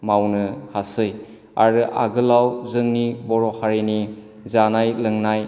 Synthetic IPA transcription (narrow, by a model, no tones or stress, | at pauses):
mawnɯhasɯj | aɾɯʔa̰ɡɯlawzɯŋnibɔɾɔhaɾini | zanajlɯŋnaj